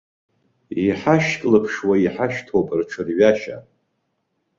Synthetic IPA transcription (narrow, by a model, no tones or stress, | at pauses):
iħaʃkʼlɨpʰʂwaiħaʃtʰopʼrʈ͡ʂʰɨrɥaʃa̰